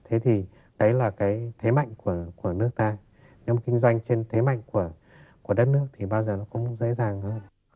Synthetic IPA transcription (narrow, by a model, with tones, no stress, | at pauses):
t̪ʰe˨˦t̪ʰi˨˩ | ɗə˨˦jlaː˨˩kaː˨˦jt̪ʰe˨˦ma̰˧˨jŋ̟ku˧˩əku˧˩ənɨ˦˥ək̚t̪aː˧ | ne˨˦m˨˩tkï˧ŋ̟zwa˧jŋ̟t͡ɕe˧nt̪ʰe˨˦ma̰˧˨jŋ̟ku˧˩ə | ku˧˩əɗə˦˥t̚nɨ˦˥ək̚t̪ʰi˨˩ɓaː˧wzəː˨˩nɔ˨˦kʊ̰˧˥wŋ͡mzḛ˧˥zaː˨˩ŋhəː˧n